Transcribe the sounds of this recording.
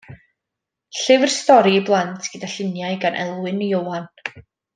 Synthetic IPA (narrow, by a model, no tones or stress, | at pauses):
ɬɪvrstɔɾiːblˠantʰɡ̥ədaɬɪnjajɡanʔɛ̰lˠwɨnəowan